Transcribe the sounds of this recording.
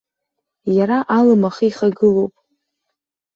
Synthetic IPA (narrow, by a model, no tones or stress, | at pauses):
jaɾaʔalɨmaχiiχaɡɨlowpʼ